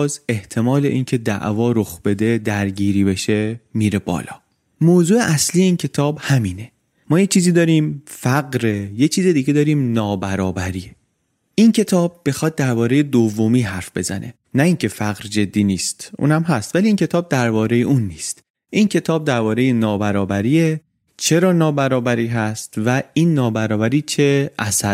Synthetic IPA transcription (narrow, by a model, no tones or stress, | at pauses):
ze̞ht̪ʰe̞mɒːle̞̰ʔincʰe̞d̪æ̰ʔvɒːɾoxb̥e̞d̪e̞d̪æɾɟiːɾiːbe̞ʃe̞miːɾe̞bɒ̰ːlɒ̰ː | moːzuːe̞ʔæsliːjeiːncʰe̞t̪ʰɒːbhæmiːne̞ | mɒːjet͡ʃʰiːziːd̪ɒːɾiːmfæɢɾejet͡ʃʰiːzed̪iːɡed̪ɒːɾiːmnɒːbæɾɒːbæɾiːe | iːncʰe̞t̪ʰɒːb̚ːexɒːd̪̚d̪æɾbɒːɾe̞jed̪ovːomiːɦæɾfb̥e̞̰zæ̰nʔe̞̰ | næiŋcʰe̞fæɣɾd͡ʒe̞d̪ːiːniːst̪ʔṵːnæmɦæst̪væliiːncʰe̞t̪ʰɒːb̚d̪æɾbɒːɾe̞je̞ʔuːnːiːst̪ | ʔincʰe̞t̪ʰɒːb̚d̪æɾbɒːɾe̞jenɒːbæɾɒːbæɾiːe | t͡ʃʰe̞ɾɒːnɒːbæɾɒːbæɾiːɦæst̪væiːnːɒːbæɾɒːbæɾiːt͡ʃʰeʔæ̰sæɾ